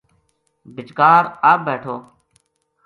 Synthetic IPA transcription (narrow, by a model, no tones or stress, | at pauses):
bʱɪt͡ʃkaːɾaːbeːʈʰoː